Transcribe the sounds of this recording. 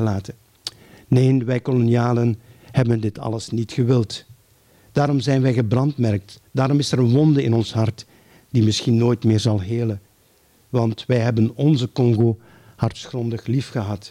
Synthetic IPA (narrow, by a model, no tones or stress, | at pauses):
əlaːtə | neːnʋɛjkoloniaːlənhɛbəndɪtɑ̰ləsnitxəʋɪlˠt | d̥aːɾɔmzɛjnʋɛjɣəbrɑntmɛrk̚td̥aːɾɔmɪsɛɾənʋɔndəɪnɔnsɦɑrt | d̥imɪsxinːoːjtmɪːrzɑlˠɦeːlə | ʋɑntʋɛjɦɛbənɔnzəkɔŋɣoː | hɑrtsxrɔndəxlifxəɦɑt